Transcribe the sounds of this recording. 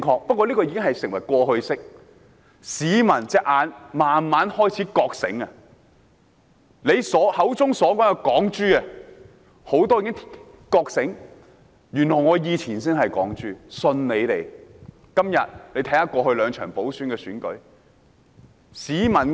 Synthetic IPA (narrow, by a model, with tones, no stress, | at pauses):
kʰɔː˧k̚pɐ˥t̚kʷːɔː˧liː˥kɔː˧jiː˧˥kɪ˥ŋhɐ˨jsɪ˨˩ŋwɐ˨˩jkʷɔː˧hɵ˧ɥsɪ˥k̚ | siː˨˥mɐ˨˩nt͡sɛː˨˥k̚ʔaː˨˧nmaː˨nmaː˨˥nhɔː˥jt͡sʰiː˨˥kɔː˧k̚sɪ̰˨˥ŋɐ˧ | le˨˧jsɔː˨˥hɐ˨˥wt͡sʊ˥ŋsɔː˨˥kɔː˨˥ŋkɛ˧kɔː˨˥ŋt͡ʃyː˥ɐ˨ | ho˨˥wt̪ɔː˥ji˨˧˥kɪ˥ŋʰ | kɔː˧k̚sɪ˨˥ŋ | jy˨˩nlɔː˨˩jŋɔː˨˧jiː˨˧t͡sʰiː˨˩ns̬ɪ˥nhɐ˨jkɔ̰ː˨˥ŋt͡ʃyː˥sɵ˧nne˨˧jt̪e˨j | kɐ˥mjɐ̰˨t̚le˨˧jt̪ʰɐ˧˥jhaː˨˧˥kwʷɔː˧hɵ˧lœː˨˧ŋt͡ʃʰœː˨˩ŋpo˨˥wsyː˨˥nkɛː˧syː˨˥nkɵ̰˨˥ɥ | siː˨˥mɐ˨˩n